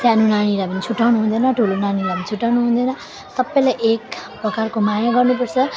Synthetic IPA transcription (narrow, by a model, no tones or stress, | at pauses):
sjanunaniɾapʌnit͡sʰuʈːawnuɦund̪ʌnʌʈʰulonaniɾapʌnit͡sʰuʈːawnuɦund̪ʌjnʌ | sʌbːʌjlajʔekprʌkarkomajaɡʌrnup̬ʌrt͡sʰʌ